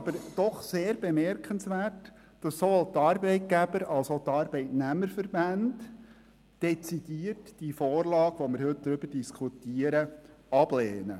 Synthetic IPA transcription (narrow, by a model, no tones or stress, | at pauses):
ɑb̥əɾd̥ɔχseːɾbemɛɾkənsʋæːrt | d̥ɑsːoolt̪ɑɾbɛɪt̚ɡ̥æbəɾɑlsotɑɾbɛɪtnæməɾfəɾbænd | d̥ɛt͡sid̥iːərtd̥ifoːrlɑːɡʋomɪɾɦɵt̚d̪̥ɾʏb̥əɾdiskʰutiəɾə | ɑb̥leːnə